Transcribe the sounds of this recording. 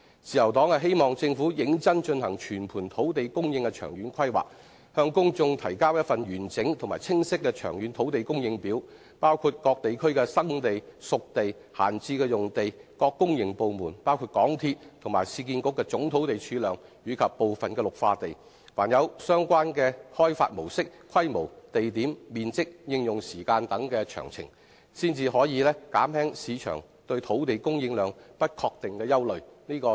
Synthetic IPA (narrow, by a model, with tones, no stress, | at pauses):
t͡siː˨jɐ˨˩wt̪ɔː˨˥ŋhɐ˨˩ɦe˥jmɔː˨ŋt͡sɪ˧ŋfu˨˥jɪ˨˥ŋt͡sɐ˥nt͡ʃɵ˧nhɐ˨˩ŋt͡ʃʰyː˨˩npʰuː˨˩nt̪ʰo˨˥wt̪e˨jkʊ˥ŋjɪ˧ŋkɛ˧t͡ʃʰœ̰ː˨˩ŋjyː˨˥nkʰɐ˥jwa̰ː˨˩k̚ | hœː˧ŋkʊ˥ŋt͡sʊ˧ŋt̪ʰɐ˨˩jkaː˥wjɐ˥t̚fɐ˨nɥyː˨˩nt͡sɪ˨˥ŋt̪ʰʊ˨˩maː˨˩jt͡sʰɪ˥ŋsɪ˥kːɛː˧t͡ʃʰœ̰ː˨˩ŋjyː˨˥nt̪ʰo˨˥wt̪e˨jkʊ˥ŋjɪ˧ŋpiː˨˥w | paː˥wkʰuː˧t̚kɔː˧k̚t̪e˨jkʰɵ˥ɥkɛː˧sɐ˥ŋt̪e˨jsʊ˨k̚t̪e˨j | ha̰ː˨˩nt͡siː˧kɛː˧jʊ˨ŋt̪e˨jkɔː˧kːʊ˥ŋjɪ˨˩ŋpo˨wmuː˨˩npaː˥wkʰuː˧t̚kɔː˨˥ŋt̪ʰiː˧t̚t̪ʰʊ˨˩ŋmaː˨˩jsiː˧k̬iː˧nkʊ˥kːɛː˧t͡sʊ˨˥ŋt̪ʰo˨˥wt̪e˨jt͡ʃʰyː˨˧˥lœː˨˧ŋjyː˨˧kʰɐ˨pːo˨wfɐ˨nkɛː˧lʊ˨k̚faː˧t̪e˨j | waː˨˩njɐ˨˧wsœː˥ŋkʷaː˥nkɛː˧hɔː˥jfa̰ː˧t̚mo˨˩wsɪ˥k̚kʰɐ˥jmo˨˩wt̪e˨jt̪iː˨˥mmiː˨nt͡sɪ˥k̚jɪ˧ŋjʊ˨ŋsiː˨˩kaː˧nt̪ɐ˨˥ŋkɛː˧t͡ʃʰœ̰ː˨˩ŋt͡sʰɪ̰˨˩ŋ | siː˥nt͡siː˧ɦɔː˨˥jiː˨˧lɛː˥ka̰ː˨˥mhɛː˥ŋsiː˨˧t͡ʃʰœ̰˨˩ŋ | t̪ɵ˧ɥt̪ʰo˨˥wt̪e˨jkʊ˥ŋjɪ˨˧ŋlœː˨˧ŋpɐ˥t̚kʰɔː˧k̚t̪ɪ˨ŋkɛː˧jɐ˥wlɵ˨ɥniː˥kɔː˧